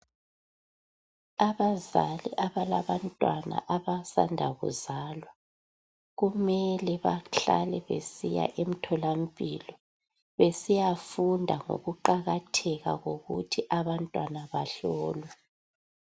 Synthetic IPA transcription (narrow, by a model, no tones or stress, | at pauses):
aβazalḭʔaβalaβantʼwana̰ʔaβasa̰ndʱaɣṵzaːlwa | ɣumɛlɛβaɬa̰lɛβḛsija̰ʔem̩tʰɔlam̩pʼiːlɔ | βesijafundʱaŋo̰ɣuǃaɣatʰɛɣaɣoɣṵtʰiʔaβantʼwanaβaɬɔːlwɛ